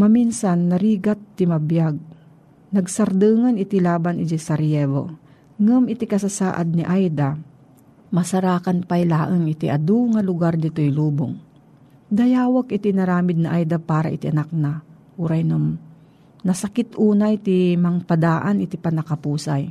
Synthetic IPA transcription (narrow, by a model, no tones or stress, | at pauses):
mɐminsanːɐɾiːɡat̪ːɪmɐbjaɡ̚ | nɐɡ̚sɐɾd̪ɨːŋɐnɪt̪ilaːbanʔɪd͡ʒɛsɐɾijɛvo̰ | ŋɐmɪt̪ikɐsasa̰ːʔad̪̚nɪʔajd̪a | mɐsɐɾaːkɐnpajlaːʔəŋʔɪt̪ḭʔɐd̪uŋɐlʊɡaɾd̪ɪt̪ojluːbo̰ŋ | d̪ɐjaːwɐkɪt̪inɐɾaːmɪd̪̚nɐʔajd̪apaːɾa̰ʔɪt̪iʔɐnak̚na | ʔuɾajnɐm | nɐsɐkɪt̪ʔuːnajt̪imɐŋpɐd̪aːʔanʔɪt̪ipɐnɐkɐpuːsaj